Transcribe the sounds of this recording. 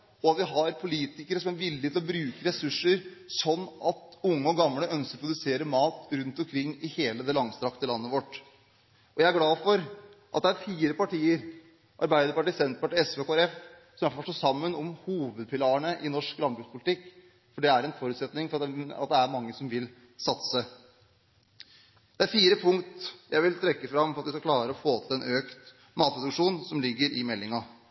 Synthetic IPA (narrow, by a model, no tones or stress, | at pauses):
ɔɑt̪ʋɪɦɑɾpʰʊliːt̪ɪkəɾəsɔmæɾʋɪljət̪ɪlɔbɾʉːkəɾɛsʉʂːəɾsɔnːɑt̪ʊŋːəɔɡɑmləʔœnskəɾpʰɾʊd̪ʉseːɾəmɑːt̪ɾʉnt̪ɔmkʰɾɪŋːɪheːləd̪ɛlɑŋst̪ɾɑkt̪əlɑnːəʋɔʈː | ʔɔjæɪæɾɡlɑːfɔɾʔɑ̰t̪̚d̪ɛæɾfiːɾəpɑʈiːəɾ | ʔɑɾbæɪd̪əɾpɑʈiːsɛnt̪pɑʈiɛsʋeːkoːæɾɛf | sɔmæɾfɔfœʂʈɔsɑmːənɔmhuːʋəd̪̚pʰɪlɑːəɳəʔɪnɔʂklɑnbɾʉɡspʰʊlɪt̪ɪkː | fɔɖɛæɾɛnfɔɾʉːt̪sɛt̪nɪŋfɔɾɑɑ̰t̪̚d̪ɛæɾmɑŋːəsɔmʋɪl | sɑt̪sə | d̪̥ɛæɾfiːɾəpʰʊŋkt̪jæɪʋɪlt̪ʰɾɛkːəfɾɑmːɔɾɑt̪ʋɪskɑklɑːɾəɾɔfoːt̪ʰɪlɛnʔøːkt̪ | mɑːt̪ɾd̪ʉkʂuːnsɔmlɪɡːəɾɪmɛlːɪŋɑ